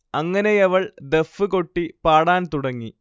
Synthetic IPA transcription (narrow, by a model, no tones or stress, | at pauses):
ɐŋːɐne̞jɐʋɐɭd̪efːɨko̞ʈːipaːɽaːnt̪uɽɐŋːi